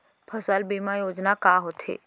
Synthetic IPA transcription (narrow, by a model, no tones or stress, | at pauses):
pʰəsəlbiːmajoːd͡ʒnakaːɦoːt̪ʰḛː